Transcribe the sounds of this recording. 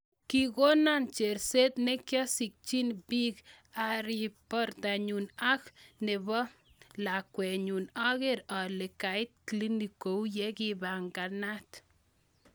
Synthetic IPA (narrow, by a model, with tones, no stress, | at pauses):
ki˦ɡo˦na˦nt͡ʃe˨ɾse˦t̪ne˦kjɔ˦si˨k̚t͡ʃi˦nbi˦k | a˨ɾi˨pɔ˦ɾt̪a˨ɲu˨na˦kne˨bɔ˦ | la˨kwɛ˨ɲu˨na˦ɣe˦ɾa˨le˨ka˨jt̪̚kli˦ni˨ko˨wjɛ˦ɡi˦ba˨ŋɡa˨na˦t̪